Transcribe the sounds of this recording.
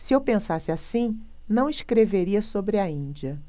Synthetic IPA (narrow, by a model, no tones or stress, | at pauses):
sɪewpẽsasɪasĩ | nɐ̃w̃iʃkɾeveɾiɐsobɾɪɐĩd͡ʒiɐ